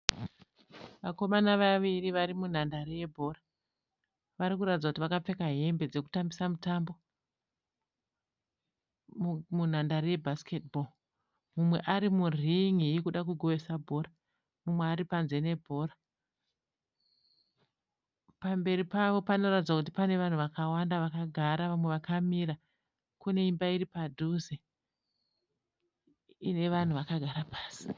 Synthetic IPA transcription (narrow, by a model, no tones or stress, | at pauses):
ʋako̞manaʋaʋiriʋaɾimun̤andaɾije̞bʱo̞ra | ʋaɾikuɾatid͡zakutiʋakap͡fe̞kaɦe̞mbe̞d͡ze̞ku̥tambisamutambo̞ | mun̤andaɾije̞bʱasket̚bʱol | mumwe̞ʔaɾimuriŋikuɗakuɡʱo̞ʋe̞sabʱo̞ra | mumweaɾipanze̞ne̞bʱo̞ɾa | pambe̞ɾipaʋo̞pano̞ratid͡zakut̬ipane̞ʋan̤uʋakawandaʋakaɡʱaɾaʋamwe̞ʋakamiɾa | kune̞imbaiɾipadʱuze | ne̞ʋan̤uʋakaɡʱaɾapaːsi̥